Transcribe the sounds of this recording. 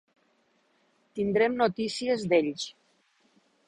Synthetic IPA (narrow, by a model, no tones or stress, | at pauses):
t̪ind̪ɾemnot̪isiezd̪eʎs